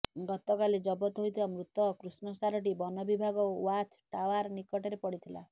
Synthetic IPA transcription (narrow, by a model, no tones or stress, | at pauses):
ɡɔt̪ɔkaled͡ʒɔbɔt̪ɦojt̪ʰibamɾut̪ɔkɾusnɔsaɾɔʈ̬ibɔnɔbibʱaɡɔwat͡ʃʈawaɾnikɔʈɔɾepɔɽit̪ʰila̰